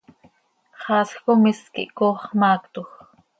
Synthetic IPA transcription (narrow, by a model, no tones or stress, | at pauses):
χɑskomiskḭʔkoχmaːkt̪uχ